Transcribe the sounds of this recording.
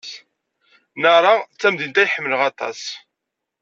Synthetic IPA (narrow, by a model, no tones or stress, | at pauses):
nəɾˤɑt͡sːæmðint̪æjħəmːələʁɑt̪ˤɑ̰s